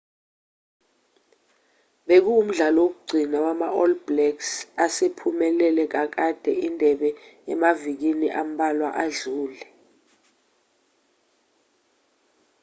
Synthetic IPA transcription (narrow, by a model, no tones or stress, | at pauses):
ɓek̬uːm̩ɮalɔok̬uɡ͡ǀʱinawamaʔɔlblɛksasepʰumɛlɛlɛk̬ak̬ad̥ʱɛindʱɛɓɛɛmavik̬iniʔam̩ɓalwaʔaɮuːlɛ